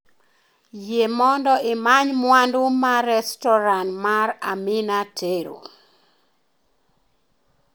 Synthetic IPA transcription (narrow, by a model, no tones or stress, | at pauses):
jemɔndɔɪmaɲmwandumaɾɛstɔɾanmaɾamɪnatʰeɾo̰